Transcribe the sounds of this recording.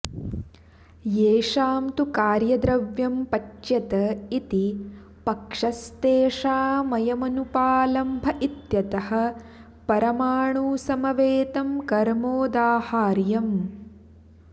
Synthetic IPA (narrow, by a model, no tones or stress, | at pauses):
jeːʂaːmt̪ukaːɾjɐd̪ɾɐʋjɐmpɐt͡ʃjɐt̪ɐit̪i | pɐkʂɐst̪eːʂaːmɐjɐmɐnupaːlɐmbʱɐʔit̪jɐt̪ɐhɐ̆ | pɐɾɐmaːɳuːsɐmɐʋeːt̪ɐmkɐɾmoːd̪aːhaːɾjɐm